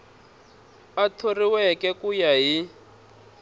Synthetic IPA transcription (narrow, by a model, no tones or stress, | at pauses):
atʰoriwɛkɛkujaɦi